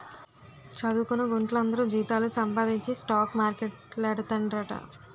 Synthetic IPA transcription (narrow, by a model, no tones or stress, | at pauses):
t͡ʃɐd̪uːkunɐɡuɳʈlɐnd̪ɐɾud͡ʒiːt̪aːlusɐmpɐd̪iɲt͡ʃisʈaːkmaːɾkeʈlɛɽɐt̪ɐɳɖɾɐʈɐ̰